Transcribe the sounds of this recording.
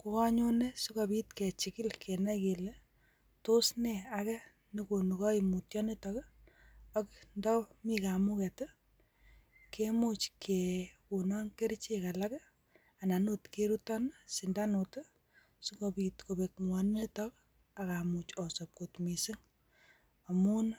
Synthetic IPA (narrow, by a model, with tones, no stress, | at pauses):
ku˦ka˦ɲo˦ne˦su˦ko˨bi˦tke˨t͡ʃikɪ˦lkʰe˨nɛ˦ke˨le˦ | to˦snɛakɛ | niko˨nukɔ˦imutjɔ˦ni˦tɔk | ɔ˦kndɔ˦mi˦ka˨mu˦kɛ˨tɔ˦ | kemut͡ʃkʰekunɔ˦ŋke˦ɾt͡ʃeka˨lak | a˨na˨nutkeɾutɔ˦nsi˨nda˦no˨t | su˦kopitko˨bek̚mwɔnne˦tɔk | a˨ka˨mut͡ʃɔsɔ˨p̚kotmi˨si˦ŋ | a˨mu˦n